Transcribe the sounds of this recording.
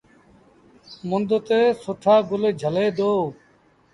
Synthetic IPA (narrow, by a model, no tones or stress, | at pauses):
mond̪ot̪eːsoʈʰaːɡoleːd͡ʒʱəleːd̪oː